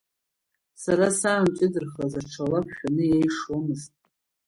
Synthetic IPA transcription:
saɾasamt͡ʃʷʼɪdɨrχlazaʈ͡ʂʰalapʰʃᶣanɨjejʂomɨztʼ

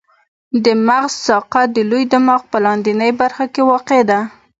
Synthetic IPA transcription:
d̪əmaɣzsɑqad̪əlujd̪əmɑɣpəlɑnd̪inəjbaɾxakewɑqed̪a

